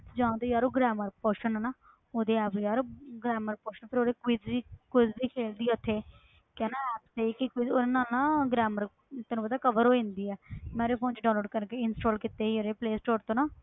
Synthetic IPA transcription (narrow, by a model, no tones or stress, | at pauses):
d͡ʒãːt̪oːjaːɾoːɡɾɛːməɾpoːʃənɛnaː | oːd̪eːɛːpjaːɾoːɡɾɛːməɾpoːʃənpʰɪɾoːd̪eːkɪiːkɪzbiːkʰeːld̪iːɛʊt̪ʰːeː | kɛːnaːɛːpseiːkɪkɪoːɾeːnaːlnãːɡɾɛːməɾ | t̪ɛːnũpəd̪aːkəʋəɾɦoːẽnd̪iːɛːmɛ̃ːɾeːpʰoːnt͡ʃɖaːloːɖkəɾkeːɪnsʈoːlkɪt̪eːiːoɾeːpleːsʈoːɾt̪õːnaː